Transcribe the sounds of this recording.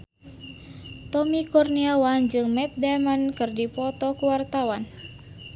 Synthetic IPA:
t̪ɔmikɔrniawand͡ʒɨŋmɛt̪̚damankɨrdipɔt̪ɔkuwart̪awan

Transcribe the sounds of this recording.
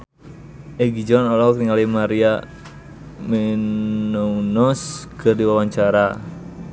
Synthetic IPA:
ʔɛɡid͡ʒɔnɔlɔkɾiŋalimaɾia | mɛnɔunɔskɨrdiwawaɲt͡ʃaɾa

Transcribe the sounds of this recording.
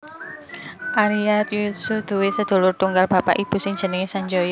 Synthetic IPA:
ʔaɾiat̪̚jusʊfd̪̥ṳwesəd̪̥o̤lʊrt̪uŋɡalb̥ä̤pa̰ʔib̥ṳsɪŋ̥d͡ʒ̥ə̤nəŋesaɲd͡ʒojɔ

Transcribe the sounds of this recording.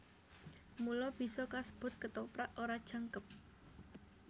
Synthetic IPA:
mulɔb̥i̤sɔkasə̥b̥ʊ̤t̪̚kət̪ɔpɾaʔoɾad̥ʒ̥ä̤ŋkəp̚

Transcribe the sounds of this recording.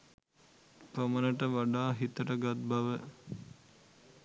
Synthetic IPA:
pɾəmənəʈəʋaɖaːɦit̪əʈəɡat̪̚baʋə

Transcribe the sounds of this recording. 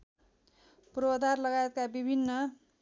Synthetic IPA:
proʌd̪ʱarlʌɡajet̪̚kabibʱinːʌ

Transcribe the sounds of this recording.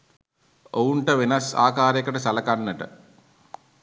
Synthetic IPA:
owuɳʈɐʋinɐsa̰ːkaːɾekɐʈɐsɐlɐkɐnːɐʈɐ̰

